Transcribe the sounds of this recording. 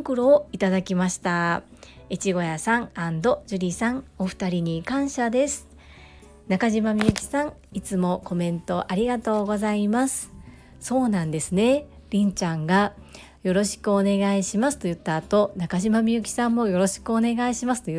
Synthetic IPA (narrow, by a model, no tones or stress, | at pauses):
kɯ̟ɾo̞ːit̪ad̪akʲimaɕi̥t̪a | it͡ɕiɡo̞jasãŋãnd̪o̞ʑɨɾʲisãŋo̞ɸɯ̥t̪aɾʲiɲ̟ikãɰ̃ɕad̪e̞sɨ̥ | nakaʑimamʲiɯ̟kʲi̥sãŋit͡sɨmo̞ko̞mẽ̞nt̪o̞ʔaɾʲiɡat̪o̞ːɡo̞zaimasɨ̥ | so̞ːnãnd̪e̞sɨne̞ | ɾʲĩɲ̟t͡ɕãŋɡa | jo̞ɾo̞ɕi̥kɯone̞ɡaiɕimasɨ̥t̪o̞jɯ̟t̪ːaːt̪o̞nakaʑimamʲiɯ̟kʲi̥sãmːo̞jo̞ɾo̞ɕi̥kɯ̟one̞ɡaiɕimasɨ̥t̪oj